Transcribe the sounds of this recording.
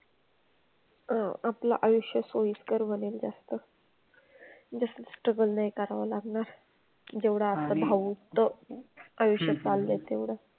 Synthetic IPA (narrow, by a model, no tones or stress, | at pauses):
aapla̰ʔajuɕjəsoiskəɾʋənild͡zast̪ə | d͡ʑəst̪əsʈɾəɡəlnajkaɾʋalaɡɳaɾ | d͡ʑeʋɽaat̪abʱaʋut̪ːə | ajoʂjət͡salːət̪eʋɽa